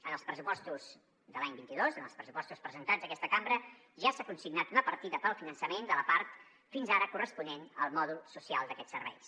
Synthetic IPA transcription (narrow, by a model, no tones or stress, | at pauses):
ənəlˠspɾəsupɔst̪uz̥ | ðəlaɲbint̪iðozənəlˠspɾəsu̥pɔst̪uspɾəzənt̪ad͡zzəkɛst̪əkambɾə | ʒasakunsiɡnat̪unəpəɾt̪iðəpəlˠfinənsəmend̪ələpaɾt̪ | finzaɾəkurəspunenə̰lˠmɔðulˠsusia̰lˠd̪əkɛt͡ssːərβɛ̰js